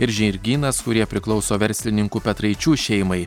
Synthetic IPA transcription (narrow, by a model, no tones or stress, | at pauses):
ɪɾʒʲɛɾʲɡʲiːnɐskʊɾʲiɛpʲɾʲɪklˠɒʊsoːʋʲɛɾʲsʲlʲɪnʲɪŋkuːpʲɛt̪ɾɐɪt͡ʃʲuːʃʲɛɪmɐɪ